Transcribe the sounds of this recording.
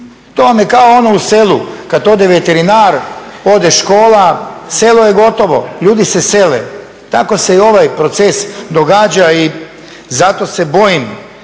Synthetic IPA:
t̪oʋamjekaoonouselˠukad̪o̞d̪eʋe̞t̪eɾinaːɾod̪eʃko̞ːlaselojeɡo̞t̪o̞ʋo̞̰ʎuːd̪isese̞lḛ | t̪ako̞se̞io̞ʋajpɾo̞t̪sesd̪o̞ɡad͡ʑai | zat̪o̞se̞bo̞jim

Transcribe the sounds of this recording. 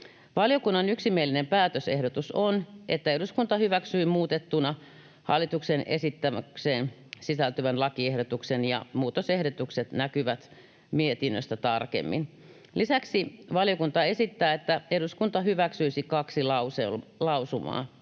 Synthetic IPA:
ʋɑljokunːɑnyksimielːinempæːt̪øsehdot̪usonʔet̪ːæeɾuskunt̪ɑhyʋæksyːmuːt̪et̪ːunɑ | hɑ̰lːˑit̪uksenḛsit̪ːæmækseːn | sisælt̪yʋænlɑkiehdot̪uksenjɑ̰muːt̪osehɾot̪ukset̪nækyʋæt̪ | miet̪inːø̰st̪æt̪ɑrkḛmːḭn | lisæksiʋɑljokunt̪ɑesit̪ːæːet̪ːæeɾuskunt̪ɑɦyʋæksyisikɑksilɑusellɑusumɑ̰ː

